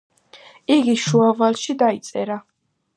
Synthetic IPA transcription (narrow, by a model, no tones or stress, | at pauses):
iɡiʃuavalˠʃid̪ait̪sʼɛɾa